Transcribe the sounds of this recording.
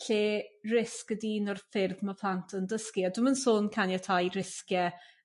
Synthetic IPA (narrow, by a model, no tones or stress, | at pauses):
ɬeːrɪskədinɔrfɪrðməpʰl̥ˠantʰəndəskiadʊmənsoːnkʰanjatʰajrɪskjɛ